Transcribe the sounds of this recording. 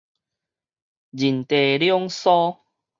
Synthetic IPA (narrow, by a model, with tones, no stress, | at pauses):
d͡ʑi˨˩nt̪e˨ljɔ˦ŋsɔ˦